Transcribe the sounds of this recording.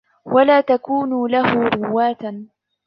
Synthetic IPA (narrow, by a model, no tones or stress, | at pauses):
walaːt̪akuːnʊlahʊɾʊwːaːt̪